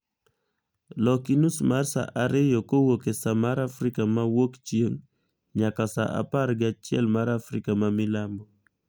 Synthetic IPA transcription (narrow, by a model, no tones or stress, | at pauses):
lɔkinusmarsa̰ʔaɾɪjɔkowokesamaɾafɾikamawokt͡ʃjeŋ | ɲakasa̰ʔa̰paɾɡɪat͡ʃɪɛ̰lmaɾafɾikamamilambɔ